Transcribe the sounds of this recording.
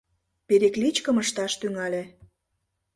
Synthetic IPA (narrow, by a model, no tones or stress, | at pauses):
peɾeklit͡ɕkəməʃt̪ɑʃt̪yŋɑlʲe